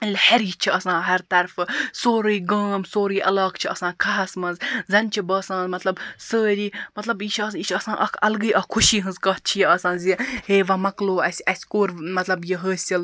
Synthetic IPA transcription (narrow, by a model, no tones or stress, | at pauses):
lʲhɐɾiːt͡ʃʰiɐsãːɦɐɾt̪ɐɾfɨsoːɾɨjɡəːmsoːɾɨːʔɐ̰lɐːkt͡ʃʰiɐsãːkʰaːɐsmɐnzzɐnʲt͡ʃʰibɐːsãːnzmɐt̪lɐbsəːɾiːmɐt̪lɐbjit͡ʃʰɐsit͡ʃʰɐsãːʔɐkʰɐlɡɨjʔɐkʰuʃiːɦɨnzkɐɦ̪̚t͡ʃʰijɐːsãːnzʲiheːʋɐmɐkloːɐsʲɐsʲkoːɾmɐt̪lɐbjiɦəːsʲil